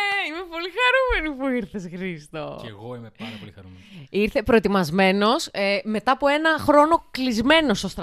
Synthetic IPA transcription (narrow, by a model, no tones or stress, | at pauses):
eime̞po̞lixɐɾume̞nipuiɾθesxɾist̪oeɣoimeɐɐoliɐɾumiɾθe̞pɾo̞e̞t̪imɐzme̞no̞sme̞t̪ɐːpoe̞nɐxɾo̞no̞klizme̞no̞sost̪ɾ